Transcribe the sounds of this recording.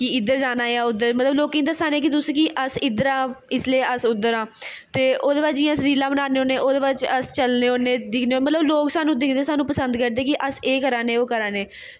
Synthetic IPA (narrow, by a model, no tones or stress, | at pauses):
kɪɪd̪əɾd͡ʒaːnaːaːʊd̪əɾmət̪ləbloːkːĩnd̪aːsaːneːk̬ɪt̪̬ʊsĩːkɪʔəsɪd̪əɾãːɪsleːəsʊd̪ːəɾãːt̪eːʔoːd̪eːbaːd͡ʒd͡ʒɪjãːəsɾiːlãːbənaːneːoːneːʔoːd̪eːbat͡ʃəst͡ʃəlneːoːneːd̪ɪkʰneːoːmət̪ləbloːksaːnũːd̪ɪkʰd̪eːsaːnũːpəsə̃nd̪kəɾd̪eːkɪʔəseːkəɾãːneːoːkəɾãːneː